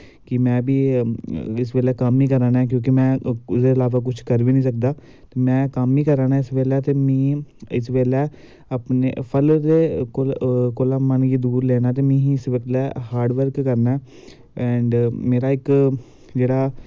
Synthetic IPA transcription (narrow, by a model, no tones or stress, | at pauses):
kɪmɛ̃ːbiː | ɪsʋeːlɛːkəmiːkəɾãːnɛːk̬jõːk̬imɛ̃ːsd̪eːəlaːʋaːk̬ʊt͡ʃʰkəɾʋiːnĩːsək̚d̪aː | t̪eːmɛ̃ːkəmiːkəɾaːnaːɪsʋeːlɛːt̪eːmɛ̃ːɪsʋeːlɛː | əpnḛpʰəld̪eːkolkoːlaːmənɡiːd̪uːɾlɛːnaːt̪̬eːmɛ̃ːɦĩːɪsʋəklɛːhaːɾɖʋəɾkːəɾnaɛː | ɛ̃ːɳɖmeːɾaːɪk | d͡ʒeːɽaː